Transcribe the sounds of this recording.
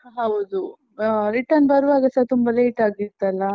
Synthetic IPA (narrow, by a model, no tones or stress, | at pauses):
ɦɐʋd̪u | ɾiʈɐnbɐɾʋaːɡɐsɐt̪umbɐleːʈaːɡiɾt̪ːɐlːɐ